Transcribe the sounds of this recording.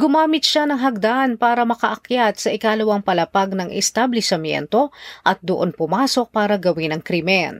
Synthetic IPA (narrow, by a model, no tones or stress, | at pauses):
ɡʊmaːmɪt̪̚ʃanɐŋɦɐɡ̚d̪aʔnpaːɾɐmɐkɐʔɐkjat̪̚sɐʔɪkaːlɐwaŋpɐlɐpaɡ̚nɐŋʔɛ̰st̪ablɛsɐmjɛ̰nt̪o̞ʔɐt̪̚d̪oʔonpʊmaːso̞k̚paːɾɐɡɐwinɐŋkɾimɛn